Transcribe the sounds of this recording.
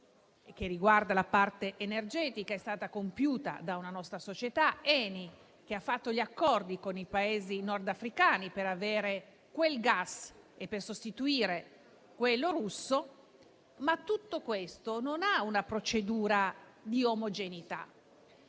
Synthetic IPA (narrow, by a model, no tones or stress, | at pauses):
ek̟ːeriɡward̪alapart̪eʔːnerd͡ʒɛːt̪ikaɛst̪aːt̪akompjuːt̪a̰d̪aunanɔst̪ɾasot͡ʃet̪aɛːni | k̟eafːat̪ːoʎiakːɔrd̪ikonipaeːzinɔrd̪afɾikaːnipeɾaveːɾe | kwelɡasepːersost̪it̪uiːɾe | kwelːoɾusːo | mat̪ːut̪ːokwest̪ononaunapɾot͡ʃed̪uːɾad̪iomod͡ʒenit̪a̰